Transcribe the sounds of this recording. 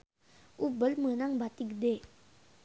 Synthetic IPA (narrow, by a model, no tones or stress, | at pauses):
ʔubəlmənaŋbat̪ik̚de